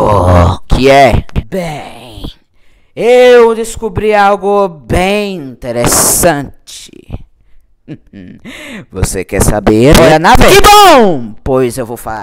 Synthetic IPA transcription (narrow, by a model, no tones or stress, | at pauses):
ɔkʰɪɛbẽ | ewd̪eskubɾiawɡʊbẽj̃ĩnt̪eɾesɐ̃t͡ʃɪ̥̰ | vo̰sekɛ̰ɾsa̰beɔɾɐnavɛkɪbõw̃pojzewvowfala̰